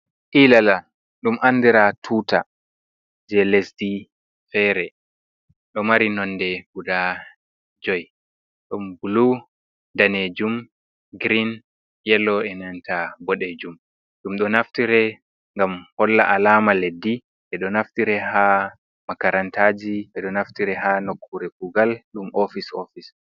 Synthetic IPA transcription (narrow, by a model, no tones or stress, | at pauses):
ʔilala | ɗumʔandiɾatʰuːta | d͡ʒɛlesdi | fɛɾɛ | ɗɔmaɾinɔnːdɛɡuda | d͡ʒɔj | ɗɔmbulu | daned͡ʒum | ɡɾin | jɛlːɔɛnantʰabɔɗed͡ʒum | ɗumɗɔnaftiɾɛ | ŋɡamhɔlːa̰ʔalaːmaledːi | ʔɛɗɔnaftiɾɛha | makaɾantaːd͡ʒiɓɛɗɔnaftiɾɛhanokʰːuɾɛkuɡalɗumʔofisofis